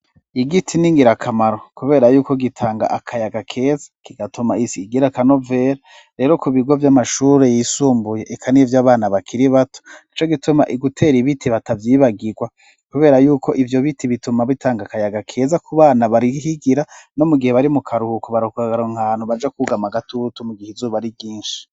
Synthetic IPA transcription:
iɡitʰiniŋɡiɾakʰamaɾo̞kuβe̞ːɾajuːko̞ɡitʰaːŋɡa̰ʔakʰajaɡakʰe̞ːzḁkiɡatumaisiɡiɾakano̞ve̞ːɾa | ɾe̞ːɾo̞kuβiɡwovjamaʃuːɾe̞jisuːmbuje̞ʔekʰanivjaːβaːnaβakʰiɾiβato̥it͡ʃo̞ɡituma̰ʔiɡutʰe̞ːɾiβitʰiβatavjiːβaɡiɡwa | kuβe̞ːɾajuːkʰo̞ʔivjo̞βitʰiβitumaβitʰaːŋɡakajaɡakʰe̞ːzakʰuβaːnaβaɾihiɡiɾano̞muɡiheβaɾimukʰaɾuhukoβaɾokuaɡaɾoŋhaːnhuβad͡ʒekuɡamaɡatʰutumuɡihezuβaɾibɡiːnʃi̥

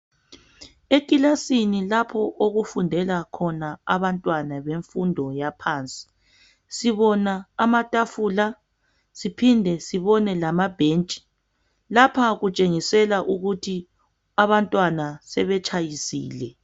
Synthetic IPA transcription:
ekʼilasinilapʰɔʔoɣufundʱɛlakʰɔnaaβantʼwanaβeɱfundʱɔjapʰaːnt͡sʼi̥ | siβɔnaːmatʼafula | sipʰindʱɛsiβɔnɛlamab̥ʱeːnt͡ʃʼi̥ | lapʰaɣut͡ʃʼeŋisɛlaʔuɣutʰi | aβantʼwanasɛβɛt͡ʃʼʰajisḭːlɛ

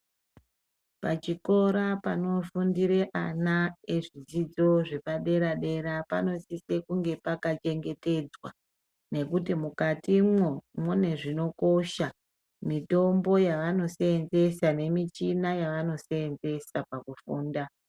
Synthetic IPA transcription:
pat͡ʃiko̞ɾapano̞fundiɾe̞ʔanae̞ʐid͡zid͡zo̞ʐe̞paɗe̞ɾaɗe̞ɾapano̞sise̞kuŋɡe̞pakat͡ʃe̞ŋɡe̞te̞d͡zwa | ne̞kutimukatimwwomwone̞ʐino̞ko̞ʃa | mito̞mbo̞jaʋano̞seenze̞sane̞mit͡ʃinajaʋano̞seːnze̞sapakufuːnda

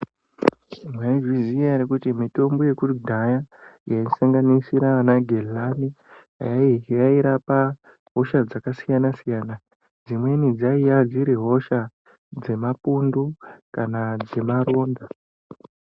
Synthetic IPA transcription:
mwaʒizijaɾikutimito̞mbo̞je̞kurudʱajajaisaŋɡanisiɾaanaɡʱellami | ɦa̰jajaiɾapa | ɦo̞ʃad͡zakasijanasijaːna | d͡zimwe̞nid͡zaijad͡ziɾiɦo̞ʃa | d͡ze̞mapundukanad͡ze̞maɾo̞ːnda

